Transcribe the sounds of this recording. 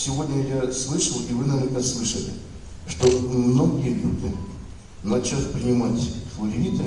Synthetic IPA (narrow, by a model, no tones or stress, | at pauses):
sʲɪvo̞dʲnʲəjaslˠɨʂəlˠivɨnɐvʲeɾnəslˠɨʂəlʲɪ̰ | ʂt̪omnoɡʲelʲud̪ʲɨ | nɐt͡ɕafʲpɾʲɪnʲɪmatʲflˠɐɾʲit̪ɨ